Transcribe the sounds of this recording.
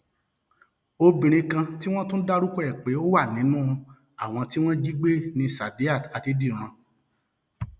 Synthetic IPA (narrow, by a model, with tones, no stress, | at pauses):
o˧bĩ˨ɾ̃ĩ˧kã˧ti˦w̃ɔ̃˦tũ˦da˦ɾu˦kɔ˦ɛ˦˨k͡pe˨˦o˦wa˦˨nĩ˨˦nũ˦˧ | a˦˨w̃ɔ̃˧ti˦w̃ɔ̃˦d͡ʒi˦ɡ͡be˦nĩ˧sa˨di˨˦a˦˨ta˧ti˨˦di˦˨ɾ̃ã˧